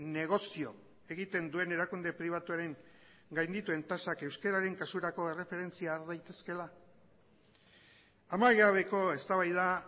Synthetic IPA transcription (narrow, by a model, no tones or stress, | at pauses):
ne̞ɣ̞o̞sio̞ | eɣit̪e̞nd̪ue̞ne̞ɾakund̪e̞pɾiβ̞at̪uaɾe̞ŋ | ɡajnd̪it̪ue̞nt̪asake̞wskeɾaɾe̞ŋkasuɾako̞e̞re̞fe̞ɾe̞nt͡siaːɾðajt̪e̞ske̞la | amaɣɾaβ̞e̞ko̞e̞st̪aβajða